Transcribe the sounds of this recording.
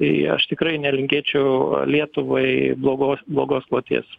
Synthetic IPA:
t̪ɐɪɐ̰ʃt̪ʲɪkɾɐɪnʲɛlʲɪŋʲkʲeːt͡ʃʲɛʊlʲiɛt̪ʊʋoɪblˠoːɡoːsblˠoːɡoːsklˠoːt̪ʲḭs

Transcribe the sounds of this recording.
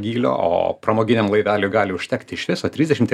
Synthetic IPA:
ɡʲiːlʲo̰ːo̰ːpɾɐmoːɡʲɪnʲɛmlˠɐɪʋʲæːlʲuːɡɑːlʲɪʊʃʲt̪ʲæːkt̪ʲɪɪʃʋʲɪsoːt̪ʲɾʲɪzd̪ʲɛʃʲɪmt̪ʲ

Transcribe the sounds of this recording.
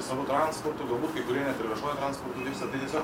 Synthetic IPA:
sɑːʋot̪ɾɑnspɔɾt̪ʊɡɐlˠbuːt̪kɐɪkʊɾʲiɛnʲɛɐt̪ʲɪɾʲɪʋʲɛʃoɔjɛt̪ɾɑnspɔɾt̪ʊt̪ʲɛɪpsʲɐt̪ɐɪt̪ʲiɛsʲoː

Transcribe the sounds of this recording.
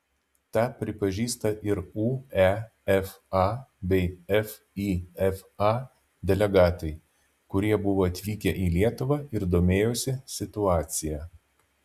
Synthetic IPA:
t̪ɑːpʲɾʲɪpɐʒʲiːst̪ɐʔɪɾuːɛ | ɛf | ɑbʲɛɪɛf | iːɛfɑː | d̪ʲɛlʲɛɡɑːt̪ɐɪ | kʊɾʲiɛbʊʋoːɐt̪ʲʋʲiːkʲɛʔiːlʲiɛt̪ʊʋɑːɪɾd̪oːmʲeːjosʲɪsʲɪt̪ʊɑːt̪sʲɪjɛː

